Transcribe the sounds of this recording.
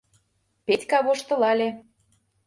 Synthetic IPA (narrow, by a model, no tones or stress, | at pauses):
pet̪ʲkɑβoʃt̪ɤ̆lɑlʲe